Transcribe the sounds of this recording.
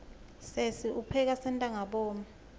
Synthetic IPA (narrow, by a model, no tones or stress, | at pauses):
sesiʔupʰɛk̬asɛntʼaŋaɓɔːma